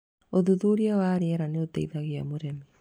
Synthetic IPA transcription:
oðuðuɾiawaɾeɛɾaneot̪aiðaɣia̰moɾemi

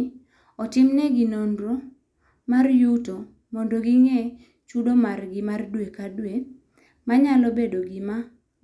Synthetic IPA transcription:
ɔtɪmnɛɡinonɾo | marjuto | mɔndɔɡiŋɛ | t͡ʃudomarɡɪmardwekadwe | maɲalɔbedoɡima

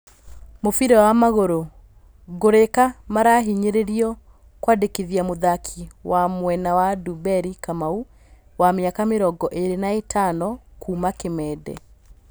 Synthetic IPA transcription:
mofiɾɛwamaɣoɾo | ɣoɾekamaɾaɦiɲeɾeɾiɔ | kwadekiðiamoðakʰiwamwɛnawadubɛɾikamau | wameakameɾɔɡɔʔeɾenaetʰanɔkuːmakemɛːdɛ̰

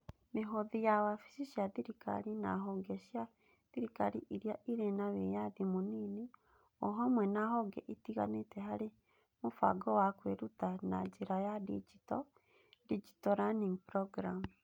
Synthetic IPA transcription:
meɦoðijawafi̥ʃiʃjaðiɾika̰ɾina̰ɦɔɡɛʃja | ðiɾikaɾiʔiɾjaʔiɾenaβejaðimunini | ɔɦamwɛnaɦɔɡɛ̰ʔitiɣa̰netɛɦaɾe | mufa̰ɡɔwakweɾutana̰d͡ʒeɾajadḭd͡ʒitɔ | did͡ʒitɔɾaniŋpɾɔɡɾam

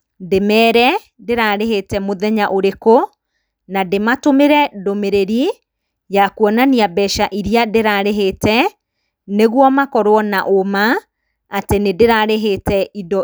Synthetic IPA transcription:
demɛːɾɛ | deɾaɾeɦetɛmoðɛɲaʔoɾeko | nadematomeɾɛdomeɾeɾi | jakwɔnaniabɛʃaʔiɾiadeɾaɾeɦetɛ | neɣwɔmakɔɾwɔnaʔomaː | tenedeɾaɾeɦetɛidɔ

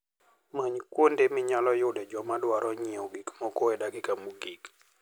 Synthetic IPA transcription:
maɲkwondemɪɲalɔjʊdɛd͡ʒɔmadwaɾɔɲiɔɡikmɔkɔɛdaɡɪkamuɡik

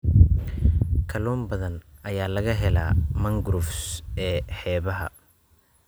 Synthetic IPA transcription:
kʰɐlɔːmbɐðɐnʔɐjaːlɐɣɐɦɛla̰ːmɐŋɡɾʊfsɛːħɛːβɐɦɐ̰

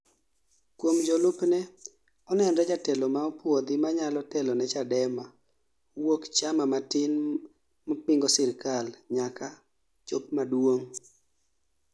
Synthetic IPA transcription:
kwomd͡ʒɔlʊpnɛ | ɔnɛndɔd͡ʒatɛlɔmaɔpwod̪ɪmaɲalɔtɛlɔnɛt͡ʃadɛma | wokt͡ʃamamatɪn | mɔpɪŋɡɔsɪɾkalɲaka | t͡ʃopmadwoŋ

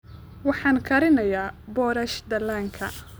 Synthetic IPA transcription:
wɑħɑːnkʰɐɾɪnɐjaːbɔːɾɐʃd̪ɐlaŋkʰɐ̰

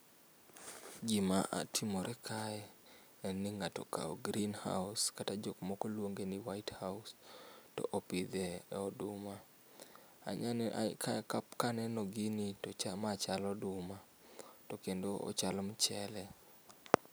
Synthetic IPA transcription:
ɡimaʔa̰tʰimɔɾɛkʰaɛ | ɛnːiŋatɔ̰ka̰o̰ɡɾinha̰wskatad͡ʒokmɔkolwoŋɡeniwaɪthawstɔ̰ʔopid̪ɛɔdʊma | a̰ɲanɛʔa̰kakapkanɛnɔɡinitɔt͡ʃamat͡ʃalɔdʊma | tokendoɔ̰t͡ʃalɔmt͡ʃɛlɛ

